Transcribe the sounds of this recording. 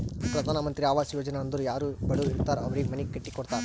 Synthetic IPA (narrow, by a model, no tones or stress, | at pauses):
ɐpːɾɐd̪aːnɐmɐnt̪ɾiaːʋaːsɪjoːd͡ʒɐnaːɐnd̪ɯɾjaːɾɯbɐɽɯɪɾɯt̪ːaːɾɐʋɐɾɛmɐnikːɛʈːikːɔɽɯt̪ːaːɾ